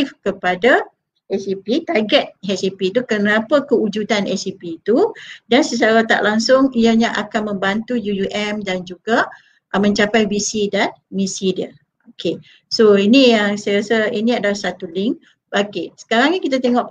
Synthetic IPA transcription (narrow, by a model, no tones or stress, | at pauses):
fkəpada | ʔɛsipit̪aɡɛt̪̚hɛsipit̪ukənapəkəud͡ʒutanɛsipit̪udansət͡ʃaɾat̪a̰ʔlaŋsʊŋiaɲaʔakanmə̃mbant̪ujujuʔɛmdand͡ʒuɡa | ʔmə̃ɲt͡ʃapajbisidan | misidiə | okʰe | soinijaŋsajaɾasəinĩadalasat̪ulɪŋ | bakisə̥kaɾaŋɲikit̪at̪̬eŋɔʔ